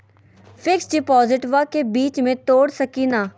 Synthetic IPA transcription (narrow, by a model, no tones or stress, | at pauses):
fʰɪksɖɪpɔːzɪʈʋaːkeːbiːt͡ʃmẽːt̪oːɽsəkiːnaː